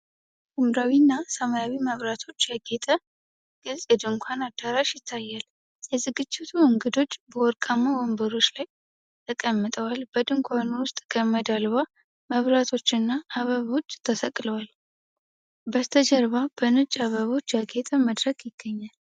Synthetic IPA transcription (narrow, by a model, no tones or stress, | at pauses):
umɾawinːasəmajawiməβɾat̪ʰo̞t͡ʃːjaɡet̪ʼə | ɡ̥ɨlsʼɛd̪ɨŋkʷʰanad̪aɾaʃjɪt̪ʰːajːal | jɛzɨɡɨt͡ʃːɪt̪ʰuɨŋɡɨd̪o̞t͡ʃːbəwɔɾkʼamːawɔmbəɾo̞t͡ʃːlaj | t̪ʰəkʼəmːət̪ʼəwalbəd̪ɨŋkʰʷanuwʊst̪ʼɡʰəməd̪alβa | məβɾat̪ʰo̞t͡ʃːɨnːaʔːβəβo̞t͡ʃːt̪ʰəsəkʼləwal | bəst̪ʰəd͡ʒəɾβabənɨt͡ʃʼaβəβo̞t͡ʃːjaɡet̪ʼəməd̪ɾəkjɪɡ̥ːəɲːal